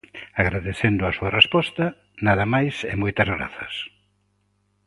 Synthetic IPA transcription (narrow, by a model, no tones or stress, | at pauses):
aɣɾaðeθend̪ʊasuɐrespɔst̪ɐ | naðɐmajsɛ̰mɔjt̪ɐzɣɾa̰θɐ̰s